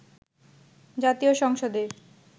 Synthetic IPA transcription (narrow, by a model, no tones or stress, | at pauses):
d͡ʑat̪ioʃɔŋʃod̪e